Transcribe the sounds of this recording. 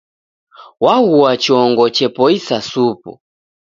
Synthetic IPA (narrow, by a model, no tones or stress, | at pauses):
wahuat͡ʃiɔŋɡɔt͡ʃɛpɔisasupṵ